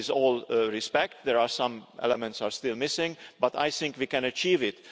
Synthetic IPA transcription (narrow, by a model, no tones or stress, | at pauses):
ɪzɔːlɹispɛk̚t̪ðɛɹaːɹsʌ̃mʔɛ̰lɛmɛ̃nt̪saːɹst̪ɪlmɪsɪ̃ŋbʌt̪a̰jθɪ̃ŋkwiːkɛ̃nət͡ʃiːvɪt̪